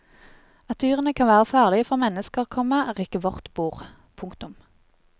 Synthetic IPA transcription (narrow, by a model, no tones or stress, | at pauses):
ɑt̪ʰyːʁənəkʰɑnʋæːʁəfɑːʁlɪəfɔʁmɛnəskəʁkʰɔməʁɪkəʋɔʁt̪buːʁ | pʰʊŋkt̪ʊm